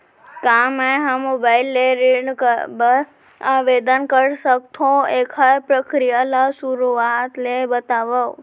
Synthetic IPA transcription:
kameɦãmobajlːeɾiɳkəbəɾ | aʋed̪ənkəɽsək̚t̪ʰõekʰajpɾəkɾijalasuɾuat̪lebət̪aʋəw

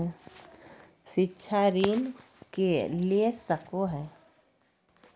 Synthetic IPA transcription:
ʃɪtːʃʰaɾiːn | kelesəkoɦɛː

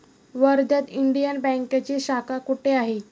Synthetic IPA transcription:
ʋəɾd̪ʱət̪iɳɖijənbɛ̃ŋkat͡ɕeɕakakuʈeaɦe

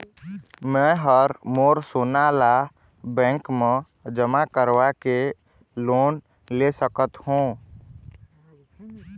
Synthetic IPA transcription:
mɛ̃ɦəɾmoːɾsonala | bɛ̃ːŋkmẽ | d͡ʒəmakəɾwake | loːn | lesəkət̪hũː

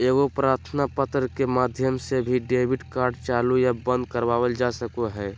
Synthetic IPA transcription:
eːɡopɾaːɾt̪ʰənapət̪ɾkemaːd̪ʱjəmsebʱiɖeːbiɖkaːɾɖt͡ʃaːlujabə̃nd̪kəɾʋaːwəld͡ʒasəkoɦɛː

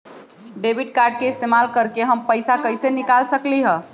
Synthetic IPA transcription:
ɖebiɖ̚kaɾɖ̚keɪst̪emalkəɾkeɦəmpəɪjsakəjsenikalsəkliɦə̃

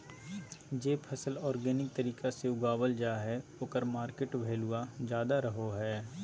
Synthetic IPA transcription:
d͡ʒeːpʰɐsəlɔːɾɡɛːnɪk̚t̪ɐɾiːkaseʊɡaːwəld͡ʒaːɦɛoːkəɾmaːɾkeʈbʱeːlʊad͡ʒjaːd̪aɾɐɦoɦɛː

